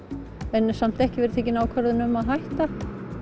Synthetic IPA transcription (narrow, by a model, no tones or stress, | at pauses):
ɛnsam̥t̪ɛhcɪvɛɾɪt̪ʰeːjc̬ɪnaːwkʰvɛɾðɪnʏmaðɦajht̪a